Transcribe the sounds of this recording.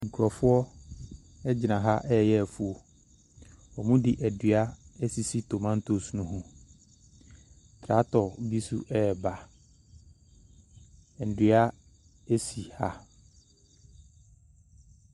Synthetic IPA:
ŋ̩˨kʰu˨ɾɔ˨fʊ˦ɔ˦ | ɛ˦d͡ʑɪ˨nã˨ɦa˦ʔɛ˦˨jɛ˦˨fu˨o˨ | ɔ˨mũ˦dɪ˨ʔɛ˨dɥa˦ɛ˦si˨si˦tʰo˨mã˦n̩˦tʰo˦˨su˨nũ˨ɦũ˨ | tʰɾa˦tʰɔ˨bi˦sṵ˦ʔɛ˦˨ba˨ | n̩˨dɥa˦ | e˦si˨ha˦

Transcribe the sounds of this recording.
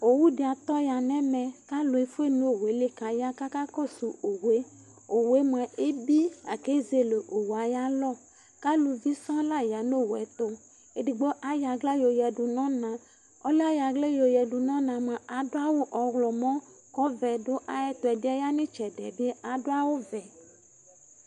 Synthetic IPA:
o˨wu˦de˨a˨t̪ɔ˦ja˨nɛ̃˦mɛ̃˨ka˦lo˨e˨fu˦e˦nũ˦o˨we˨˦le˦ka˨ja˦ka˦ka˦kɔ˦su˨o˨we˦ | o˨we˦mõ˨ɛ˨ʔe˦bi˦a˨ke˦ze˦le˨ʔo˨wa˨˦ja˦lɔ˦˨ | ka˦lu˨vi˦sã˦la˦ja˨no˦˨wɛ̰˨˦t̪o˦ | e˨ɖi˨ɡ͡bo˦ʔa˦ja˨ɡla˦jo˨jɛ˨ɖu˨nɔ̃˦nã˨ | ɔ˦la˦ja˨ɡle˦jo˨jɛ˨ɖu˨nɔ̃˦nã˨m˨ã˨a˨do˦a˦wo˦ʔɔ˨ɣlɔ˨mɔ̃˦ | kɔ˦vɛ˨do˦ʔa˨jɛ˦t̪ɔ˨ɛ˨de˦a˦ja˦nẽ˦t͡ʃɛ˨ɖɛ̰˨be˦e˦a˨ɖo˦a˦wo˦vɛ˨

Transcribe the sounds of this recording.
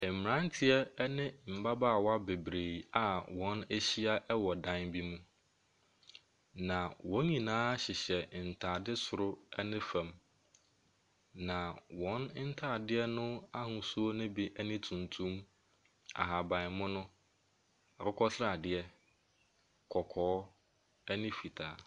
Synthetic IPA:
ɛ˨m˨m˨ɾã˦n˦tʰɪ˦ɛ˦nɪ̃˦m̩˨ba˦baː˦˨wa˦be˨bɾe˨a˨wɔ̃˨˦næ˦ɕi˦a˦ʔɛ˦wɔ˨dã˦nbi˦mũ˦ | nã˨wɔ̃˨˦ɲĩ˨nãː˦ɕɪ˨ɕɛ˨n̩˨tʰaː˨dɪ˦sʊ˨ɾʊ˦ɛ˦nɪ̃˦fã˨m | nã˨wɔ̃˨˦n˦n̩˦tʰaː˦˨dɪ˦ɛ˦nʊ̃˦a˦hʊ̃˦su˦o˦nʊ̃˦bi˦ʔɛ˦nɪ̃˦tʰũ˨ntʰũ˦m | a̰˨ɦa˨bã˨ɪ˨mʊ̃˦nʊ̃˦ | a˨kʰɔ˦kʰɔ˦sɾa˨dɪ˦ɛ˦ | kʰɔ˨kʰɔː˨˦ | ɛ˦nɪ̃˦fi˨tʰaː˨

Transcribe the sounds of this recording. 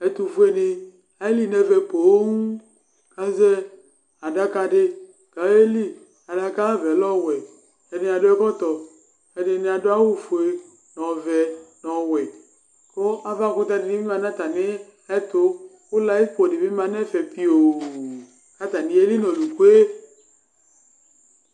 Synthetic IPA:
e˨t̪u˨fu˦e˦ne˨ | a˨e˦li˦nɛ˦vɛ˨k͡po˨˦ŋu˦ | ka˦zɛ˦ | a˨da˦ka˦ɖe˦ | ka˨˦e˦li˦ | a˨da˨ka˦vɛ˨lɔ˦wɛ˨ | e˨ne˨a˨ɖo˦ɛ˦kɔ˦t̪ɔ˨ | e˨ne˨ne˨a˨do˦a˦wo˦fo˨e˦ | nɔ̃˨vɛ˨nɔ̃˨wɛ˨ | ko˦a˦va˦˨ko˦t̪a˦de˨ni˦mi˦mã˨nã˦t̪a˨ne˦ | ɛ˦t̪o˦ | wo˦la˦i˦k͡po˨de˨mi˦mã˨nɛ˦fɛ˨pi˦o˨ | a˦t̪a˨nĩ˨˦e˦li˦nɔ̃˨lu˨ko˦e˦

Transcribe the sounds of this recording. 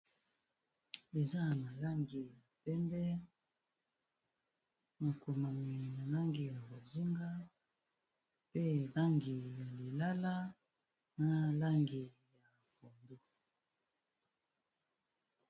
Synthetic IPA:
e˨za˦na˨la˦ŋɡi˨ja˨pɛ˦mbɛ˦ | na˨ko˨ma˨mi˨na˨la˦ŋɡi˨ja˨bo˨zi˦ŋɡa˦ | pe˦la˦ŋɡi˨ja˨li˨la˦la˦ | na˦la˦ŋɡi˨ | ja˨ | ko˨ndo˦

